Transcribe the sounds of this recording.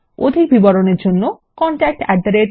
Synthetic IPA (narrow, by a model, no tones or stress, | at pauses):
o̰d̪ʱik̚bʱibɔɾoneɾd͡ʑonːo | kɔɳʈak̚ʈɛ̰ɾd̪aɾeɾ